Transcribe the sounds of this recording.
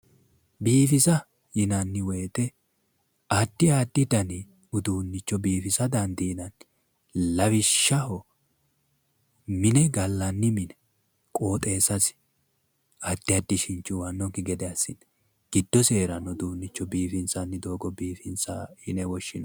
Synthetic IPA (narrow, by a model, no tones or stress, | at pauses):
biːfɪzɐ | jɪnɐnːɪwɛjːt̪ɛ | ɐd̪ːɪaːd̪ːɪd̪ɐnɪ | ʊd̪uːnːɪt͡ʃːɔbiːfɪsɐd̪ɐnd̪iːnɐn | lɐwɪʃːɐhɔ | mɪnɛɡɐlːɐnːɪmɪnɛ | kʼo̞ːt̪ʼe̞ːsɐs | ɐd̪ːɪɐd̪ːɪʃɪnt͡ʃːʊwɐnːɔɡɪɡɛd̪ɛɐsːɪn | ɡ̥ɪd̪ːɔse̞ːɾɐnʊd̪uːnːɪt͡ʃːɔbiːfɪnt͡sɐnːɪd̪o̞ːɡɔbiːfɪnt͡sahɪnɛwɔʃːɪnɐ